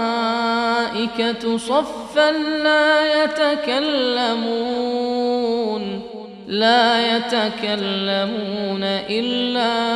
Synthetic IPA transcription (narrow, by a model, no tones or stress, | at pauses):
ʔɪkatsˤɑfːanlaːjat̪akalːamuː | n | laːjat̪akalːamuːnaʔɪlːaː